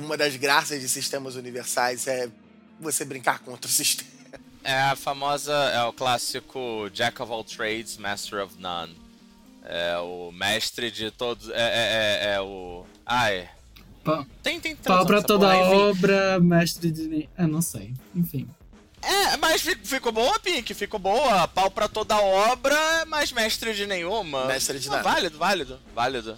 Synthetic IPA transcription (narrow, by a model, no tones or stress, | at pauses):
ũmɐd̪ɐzɡɾasɐzd͡ʒɪsiʃt̪ẽmɐzuniveɾsajzɛ | vosebɾĩŋkaɾkõt̪ɾʊsiʃt̪ẽmɐ | ɛɐfamɔzɐɛʊklasikʰʊd͡ʒɛkɔvɔwt̪ɾejd͡ʒzmɛst̪ɛɾɔvnɐ̰̃n | ɛ̰ʊmɛʃt̪ɾɪd͡ʒɪt̪od̪ʊɛɛɛɛʊ | aj | pawt̪ẽj̃t̪ẽj̃t̪pawpɾɐt̪od̪ɐaɔbɾɐmɛʃt̪ɾɪd͡ʒɪnẽɛnɐ̃w̃sejẽfĩ | ɛmɐsfikfikobõwɐpĩkɪfikobowɐpawpɾɐt̪od̪ɐɔbɾɐɛmajzmɛʃt̪ɾɪd͡ʒɪnẽj̃ũmɐmɛʃt̪ɾɪvalɪd̪ʊvalɪd̪ʊ | valɪd̪ʊ